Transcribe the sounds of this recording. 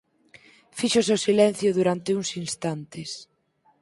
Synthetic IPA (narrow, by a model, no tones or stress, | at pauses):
fiʃoseosilɛn̟θjʊðuɾant̪euŋsinst̪ant̪ɪs